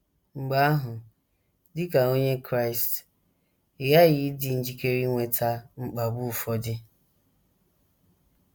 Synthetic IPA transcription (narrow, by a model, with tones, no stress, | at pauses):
ŋ͡m̩˨ɡ͡ba˦a˦ɦʊ˨ | dɪ˦ka˨o˦ɲe˦kɾa˦ɪ˨st | ɪ˨ɣa˦ɣɪ˦dɪ˨n̩˦d͡ʒi˦ke˦ɾi˦ŋʷe˨tʰa˦ŋ͡m̩˦k͡pa˨bu˦˨fɔ˦dɪ˦